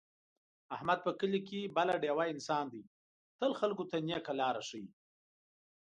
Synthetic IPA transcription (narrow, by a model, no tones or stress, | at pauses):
ahmad̪̚pəkəlik̬ebalaɖjewaɪnsɑnd̪əj | t̪əlxalkot̪anijakalɑɾaʂəji